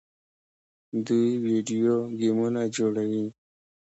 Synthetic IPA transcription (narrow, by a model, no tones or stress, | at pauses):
d̪uiwiɖijoɡimunad͡ʒoːɽəwi